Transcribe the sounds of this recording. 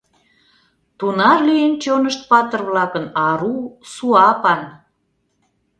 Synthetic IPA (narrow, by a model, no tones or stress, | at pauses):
t̪unɑrlient͡ɕonəʃt̪̚pɑt̪ə̆rβlɑkənɑɾusuɑpɑn